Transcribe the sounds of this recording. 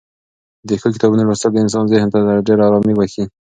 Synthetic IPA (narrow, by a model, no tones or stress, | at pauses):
d̪əxəkɪ̥t̪ɑbunaɾust̪ad̪əɪns̬ɑnzɪhnt̪ad̪aɖeɾɑɾɑmiwəxi